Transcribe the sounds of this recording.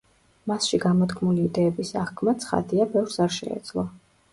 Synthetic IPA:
masʃiɡamɔt̪kʰmuliːd̪ɛːbisaχkʰmat̪sʰχa̰d̪iabɛvɾsaɾʃɛ̰ɛ̰d̪zlˠɔ

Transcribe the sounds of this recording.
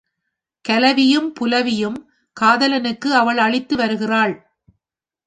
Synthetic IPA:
kɐlɐʋɪjɯmpʊlɐʋɪjɯm | kaːðɐlɐnɯkːɯɐʋɐɭɐɭɪt̪ːɯʋɐɾɯɣɪraːɭ

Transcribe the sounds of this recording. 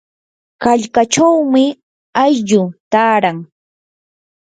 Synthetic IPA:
kaʎkaʈ͡ʂawmɪ | ajʎʊt̪aːɾaŋ

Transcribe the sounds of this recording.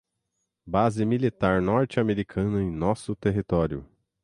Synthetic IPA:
bazɪmilit̪aɾnɔɾt͡ʃɪameɾikʰɐ̃nʊẽj̃nɔsʊt̪eɦit̪ɔɾjʊ̰

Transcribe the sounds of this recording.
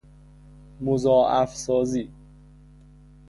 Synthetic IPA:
mozɒːʔæfsɒːziː

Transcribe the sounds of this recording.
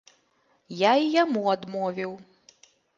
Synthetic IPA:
jaijamuad̪mɔvʲiw

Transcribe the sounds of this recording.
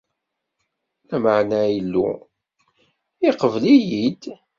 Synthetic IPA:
læməʕnæjəlːṵ | iqəvlijid̪

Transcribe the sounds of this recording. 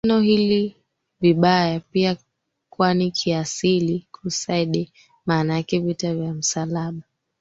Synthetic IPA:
nɔhili | viɓajapia | kuanikʰiasilikʰusaiɗɛ | maːnakɛvitavjam̩salaɓa

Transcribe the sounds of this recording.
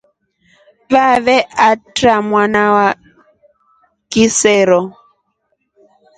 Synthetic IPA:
vaβɛʔatɾamwanawa | kisɛɾɔ

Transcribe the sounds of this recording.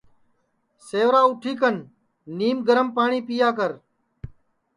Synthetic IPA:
seːʋɾaːʊʈʰiːkən | niːmɡəɾəmpaːɳiːpiːjaːk̬əɾ

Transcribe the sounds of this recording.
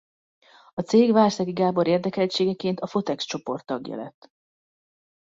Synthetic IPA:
ɒt̪seːɡvaːrsɒɡiɡaːbo̞ɾeːrd̪ɛkɛlt͡ʃeːɡɛkeːnt̪ɒfo̞t̪ɛkst͡ʃo̞po̞rt̪ːɒɡjɒ̰lɛ̰t̪ː

